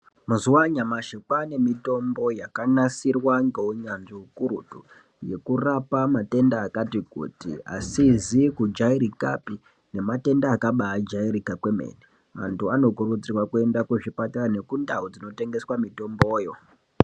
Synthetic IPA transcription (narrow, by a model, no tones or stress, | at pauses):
mazuwaɲamaʃikwane̞mito̞mbo̞jakanasirwaŋɡewuɲanʐiɦukuɾṵtu | je̞kurapamate̞ndaːkatikṵtḭa̰sizikud͡ʒaiɾikapi | ne̞mate̞ndaːkaɓaːd͡ʒaiɾikakwe̞mḛːne | ʋa̰ntuano̞kurud͡zirwakue̞ndakuʐipatarane̞kundaud͡zino̞te̞ŋɡe̞swamito̞mbo̞ːjo̞